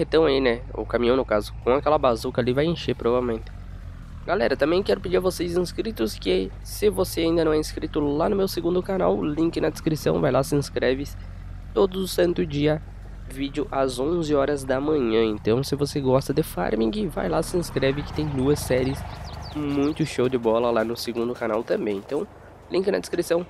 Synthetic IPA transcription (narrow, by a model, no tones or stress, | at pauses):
het̪ɐ̃w̃ainɛʊ̰kamĩɐ̃w̃nʊkazʊkõakɛlɐbazukɐlivajẽʃeɾpɾovavewmẽnt̪ɪ̥ | ɡalɛɾɐt̪ɐ̃mẽj̃kɛɾʊpɪd͡ʒiɾɐvosezĩskɾit̪ʊskɪ | sɪvoseaĩnd̪ɐñɛĩskɾit̪ʊlanʊmewseɡũnd̪ʊkana̰wlĩŋkɪnɐd̪eskɾisɐ̃w̃vajlasɪĩskɾɛvɪs | t̪od̪ʊzʊsɐ̃nt̪ʊd͡ʒiɐ | vid͡ʒɪʊʔazõzɪɔɾɐzd̪ɐmɐ̃ɲɐ̃ẽnt̪ɐ̃w̃sɪvoseɡɔst̪ɐd̪ɪfa̰ɾmĩɡɪva̰jlasɪĩskɾɛvɪkɪ̥t̪ẽj̃d̪uɐsɛɾiɪsmũj̃t̪ʊʃowd̪ɪbɔlɐlanʊseɡũnd̪ʊkanawt̪ɐ̃mbẽj̃ẽnt̪ɐ̃w̃ | lĩŋkɪnɐ̰d̪e̥skɾisɐ̃w̃